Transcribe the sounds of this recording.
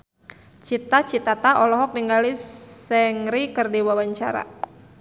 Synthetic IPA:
t͡ʃit̪at͡ʃit̪at̪aʔɔlɔɦɔk̚niŋɡalisɛŋɾikərdiwawaɲt͡ʃa̰ɾa̰

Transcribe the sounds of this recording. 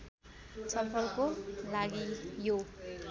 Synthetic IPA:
sʌpʰʌlkolaɡijo

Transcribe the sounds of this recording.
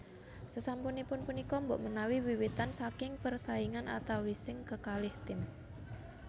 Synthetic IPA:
səsampunipʊnpunikɔmbɔʔmənawiwiwit̪ansakɪŋpərsaiŋanʔa̰t̪awisɪŋkəkalɪht̪ɪm

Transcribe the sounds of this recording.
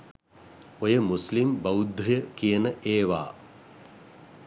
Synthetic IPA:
ojəmuslimbɐwud̪ʱːɐjəkijɐnəʔeːʋa̰ː

